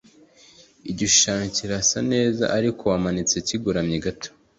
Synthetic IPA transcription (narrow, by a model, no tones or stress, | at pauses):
iɟiʃaːɲciɾasane̞ːza̰ʔaɾikʰo̞wamanit͡seciɡuɾamɲiɡatʰo̥